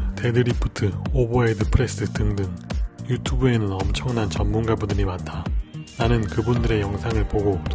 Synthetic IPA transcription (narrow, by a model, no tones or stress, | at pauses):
te̞dɯɾipʰu̥tʰɯoboedɯpʰɯɾe̞s͈ɯtɯŋdɯŋjutʰubue̞nɯnʌmt͡ɕʰʌŋnant͡ɕʌmːunɡabudɯɾimatʰananɯnkɯbundɯɾe̞jʌŋsʰaŋɯɭpoɡot